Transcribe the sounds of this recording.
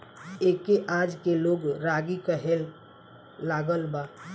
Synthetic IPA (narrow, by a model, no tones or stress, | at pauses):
eːkeʔad͡ʒkeloːɡɾaɡikəɦelː | aːɡəlbaː